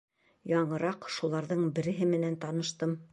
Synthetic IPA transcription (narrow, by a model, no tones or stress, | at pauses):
jɑɴɤ̆ɾɑqʃulˠɑɾðɤɴbɘ̆ɾɘ̆ɦɘmɘ̆nænt̪ɑnɤ̆ʃt̪ɤm